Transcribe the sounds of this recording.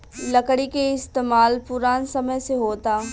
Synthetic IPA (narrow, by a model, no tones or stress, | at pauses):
lɐkɽikeɪst̪eːmaːlpʊɾaːnsɐməjseɦoːt̪aː